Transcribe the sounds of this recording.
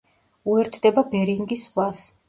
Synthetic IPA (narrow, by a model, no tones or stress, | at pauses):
uɛɾt̪ʰd̪ɛbabɛɾiŋɡiswas